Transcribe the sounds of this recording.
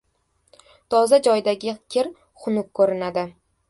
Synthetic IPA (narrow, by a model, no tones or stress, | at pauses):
t̪ʰɒzad͡ʒɒjd̪aɡʲɪkʲʰɪɾ | χʊnʊk̚kʰːoɾɪnad̪ɪ